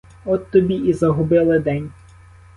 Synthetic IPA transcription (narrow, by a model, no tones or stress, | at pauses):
ɔt̪ːɔbʲiizɐɦʊbɪlˠɪd̪ɛnʲ